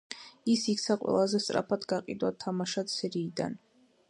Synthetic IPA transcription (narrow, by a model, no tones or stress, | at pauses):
isikʰtsʰaqʼwɛ̰lˠazɛst̪ʼɾa̰pʰad̪ɡaqʼḭd̪wat̪ʰamaʃat̪sɛɾiːd̪a̰n